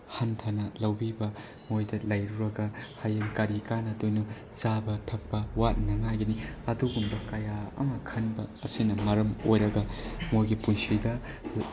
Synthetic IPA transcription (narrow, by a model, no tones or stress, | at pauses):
hantʰanɐlɐwbibɐ | mojdɐlɐjɾuɾɐɡɐhajɐnkɐɾikanɐdojnu | zabɐtʰɐk̚pɐwat̚nɐŋajɡɐniɐduɡumbɐkɐjaɐ̰mɐkʰɐnbɐːsinɐmɐɾɐmo̰jɾɐɡɐmojɡipunsidɐ